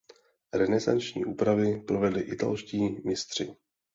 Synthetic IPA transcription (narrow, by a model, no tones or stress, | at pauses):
ɾɛnɛza̰nt͡ʃɲḭːʔuːpɾavɪpɾovɛdlɪʔɪt̪a̰lʃciːmɪst̪r̝̥ɪ